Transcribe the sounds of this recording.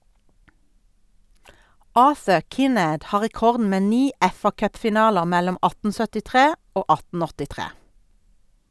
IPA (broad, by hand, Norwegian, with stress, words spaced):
ˈɑːθə ˈkɪˌneːd ˈhɑː ʁɛˈkɔʁdn̩ ˈmeː ˈniː ˈɛfɑˌkœpfɪˌnɑːləʁ ˈmɛlɔm ˈɑtn̩ sœtɪˈtʁeː ˈoː ˈɑtn̩ ɔtɪˈtʁeː